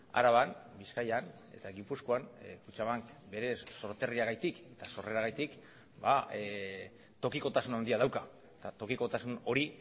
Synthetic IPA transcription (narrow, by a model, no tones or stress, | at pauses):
a̰ɾaβ̞anbiskajan | e̞̰t̪aɣipusko̞anfut͡ʃaβaŋkbe̞ɾe̞ːo̞ɾt̪e̞riaɣajt̪ike̞t̪aso̞re̞ɾaɣajt̪ik | ba | t̪o̞kiko̞t̪asunand̪iaðawka | et̪at̪o̞kiko̞t̪asuno̞ɾi